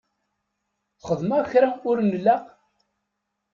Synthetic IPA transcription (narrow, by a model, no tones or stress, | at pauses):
θχəðˤmæçɾaʊɾnlːæ